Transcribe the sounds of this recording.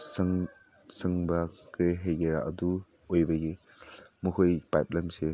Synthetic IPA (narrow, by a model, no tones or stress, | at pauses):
sɐŋ | sɐŋbɐkɾeɦejɡeɾaʔɐdu | ojbɐɡi | mukʰojpajp̚lajmse